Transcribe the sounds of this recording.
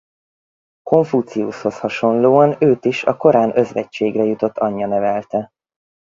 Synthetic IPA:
ko̞ɱfut̪siṵsho̞shɒʃo̞nloːɒnøːt̪iʃɒ̰ko̞ɾaːnø̞zʋɛct͡ʃːeːɡrɛjut̪o̞t̪ːɒɲːɒnɛvɛlt̪ɛ

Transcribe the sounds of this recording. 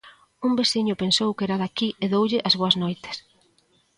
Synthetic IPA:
umbesiɲʊpensowkɛɾaðakiʔeðowʎɪʔɐzβoɐznojt̪ɪ̥s

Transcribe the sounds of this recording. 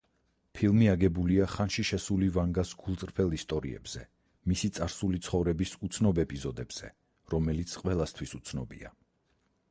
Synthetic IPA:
pʰilˠmiaɡɛbuliaχanʃiʃɛsulivaŋɡasɡ̥ulˠt̪sʼɾpʰɛlˠist̪ʼɔɾḭɛ̰bz̥ɛ | misit̪sʼaɾsulit̪sʰχɔvɾɛbisut̪sʰnɔbɛpʼizɔd̪ɛbz̥ɛ̰ | ɾɔmɛlit̪sʰqʼwɛlˠast̪ʰwisut̪sʰnɔbḭa̰

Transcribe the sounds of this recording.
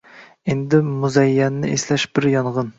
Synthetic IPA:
end̪ɪmuzɛjːɛnːɪeslɛʃbɪɾjɑnʁən

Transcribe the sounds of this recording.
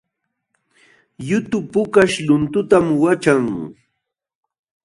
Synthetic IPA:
jʊt̪ʊpʊkaʃlʊnt̪ʊt̪amwat͡ʃaŋ

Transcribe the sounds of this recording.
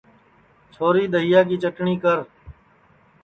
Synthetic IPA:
t͡ʃʰoːɾiːd̪əɦɪjaːk̬iːt͡ʃəʈɳiːkəɾ

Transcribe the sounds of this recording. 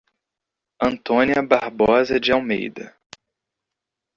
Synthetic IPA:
ɐ̃nt̪õniɐbaɾbɔzɐd͡ʒɪawmḛjd̪ɐ̰

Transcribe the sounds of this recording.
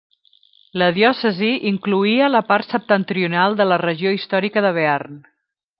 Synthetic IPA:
ləðjɔsəziʔiŋkluiələpart̪səp̚t̪ənt̪ɾiunalˠd̪ələrəʒioist̪ɔɾikəðəβearn

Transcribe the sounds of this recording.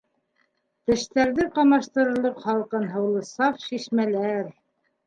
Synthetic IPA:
t̪ɘ̆ʃt̪æɾðɘqɑmɑʃt̪ɤ̆ɾɤ̆ɾlˠɤqχɑlˠqɤnɦɤ̆wlˠɤ̆sɑfʃiʃmælæɾ

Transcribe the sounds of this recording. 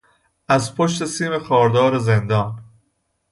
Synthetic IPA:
ʔæzpʰoʃt̪e̞siːme̞xɒːɾd̪ɒːɾezend̪ɒːn

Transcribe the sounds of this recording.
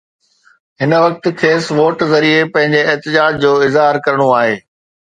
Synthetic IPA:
ɦɪnə̆ʋɐk̚t̪̆kʰeːsʋoːʈzɐɾiepɐ̃ɦɪ̃ɲd͡ʑeɛɦt̪ɪd͡ʑaːd͡ʑd͡ʑoːɪzɦaːɾkɐɾəɽ̃oaːɦeː

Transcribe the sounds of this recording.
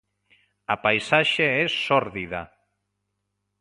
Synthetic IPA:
apajsaʃeɛsːɔɾðiða̰

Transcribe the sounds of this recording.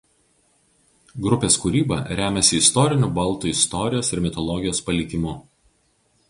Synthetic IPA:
ɡɾʊpʲeːskuɾʲiːbɐ̰ɾʲæːmʲɛsʲɪɪst̪ɔɾʲɪnʲubɐlˠˑt̪uːɪst̪ɔɾʲɪjoːsɪɾmʲɪt̪ɔlˠɔɡʲɪjoːspɐlʲɪkʲɪmʊ

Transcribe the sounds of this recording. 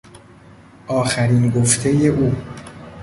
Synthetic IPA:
ʔɒːxæɾiːnɡoft̪ʰe̞je̞ʔuː

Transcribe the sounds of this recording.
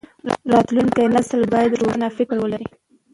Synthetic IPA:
ɾɑt̪luŋkajnasəlbɑjad̪ɾoɽənafɪkɾwəlaɾi

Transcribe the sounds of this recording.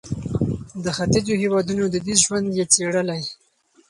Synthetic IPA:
d̪əxat̪ɪd͡ʒohewɑd̪unod̪əd̪iʒwand̪jet͡seɽəlaj

